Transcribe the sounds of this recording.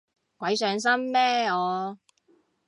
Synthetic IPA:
kʷɐ˨˧˥jsœː˨˧ŋs̬ɐ˥mːɛː˥ɔː˨˧

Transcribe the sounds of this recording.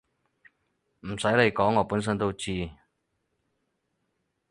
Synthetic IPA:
m̩˨˩sɐ˨˥jle˨˧jkɔː˨˥ŋːɔː˨˧˩puː˨˥ns̬ə˥nt̪o˥wt͡ɕiː˥˩

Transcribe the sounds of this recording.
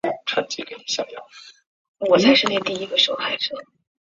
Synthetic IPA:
ʈ͡ʂʰwa̰˥nt͡ɕḭ˥˩kɕjɑ˥˩ŋjɑ̰˥˩ʊ | wɔ˨˩t͡sa˥˧ɪʂɻ̩˥˧ne˥˧ɪt̪i˥˧i˧˥ɡə˧ʂ̩˥xa˧˥ɪʂ̩˥˩

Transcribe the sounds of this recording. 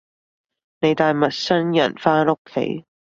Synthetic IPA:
ne˨˧jt̪aː˨jmɐ˨t̚sɐ˥njɐ̰˨˩nfaː˥nʊ˥kʰːḛ˨˧˥j

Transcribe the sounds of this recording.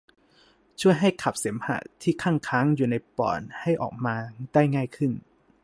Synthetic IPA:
t͡ɕʰu˥˩əjɦa˥˩jkʰa˨˩p̚se˩˦mha̰˧˩t̪ʰiː˥˩kʰaː˥˩ŋkʰaː˦˥ŋjuː˨˩na˧jpɔ̰ː˨˩nha˥˩jʔɔ̰ː˨˩k̚maː˧da˥˩jŋaː˥˩jkʰɯ˥˩n

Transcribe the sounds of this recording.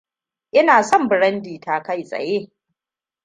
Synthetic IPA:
ʔɪ˦naː˨sɔ˦mbɪ˨ɾɐ˦ndiː˨taː˨ka˦jsʼɐ̰˨jeː˦

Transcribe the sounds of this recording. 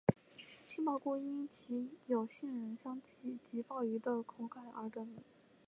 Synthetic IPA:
t͡ɕʰi˥ma˥˩kwɔ˥i˥nt͡ɕʰi˧˥jo˨˩ʊɕi˥˩nɻə˧˥nɕjɑ˥ŋt͡ɕʰi˥˩t͡ɕi˧˥fɑ˥˩ʊy˧˥d̪ə˧kʰʊ˧˥ŋkʰa˥˩ɪʔə̰˞˧˥ʈ͡ʂə˧˥ni˧˩˦

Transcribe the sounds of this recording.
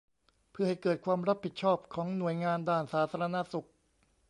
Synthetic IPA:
pʰɯ˥˩ɐha˥˩jkɤː˨˩t̪̚kʰwaː˧mɾa˦˥pʰːi˨˩t̪̚t͡ɕʰɔː˥˩p̚kʰɔː˩˦ŋnu˨˩əjŋaː˧ndaː˥˩nsaː˩˦t̪ʰaː˧ɾa˧na˦˥su˨˩k̚

